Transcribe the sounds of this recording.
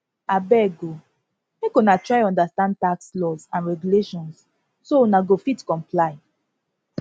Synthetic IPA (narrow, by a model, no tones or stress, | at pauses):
abɛɡo | mekɔ̃natɹaɪɔ̃ndastãnd̚takslɔzãnɹɛɡjuleʃɔ̃ns | soɔnaɡofitkɔ̃mplaɪ